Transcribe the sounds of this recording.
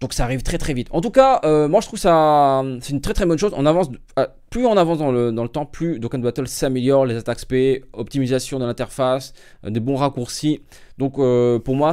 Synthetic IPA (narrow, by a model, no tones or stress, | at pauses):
d̪ɔ̃ksaːʁivt̪χɛt̪χɛvit̪ɑ̃t̪ukaømwaʒət̪χuvkəsasɛt̪ynt̪χɛt̪χɛbɔnʃozɔ̰̃navɑ̃s | a | plyɔ̃navɑ̃sd̪ɑ̃ləd̪ɑ̃lət̪ɑ̃plyd̪okãnd̪bat̪œlsameljɔʁlezat̪akspeɔp̚t̪imizasjɔ̃d̪əlɛ̃t̪ɛʁfas | d̪ebɔ̃ʁakuʁsi | d̪̥ɔ̃køpuʁmwa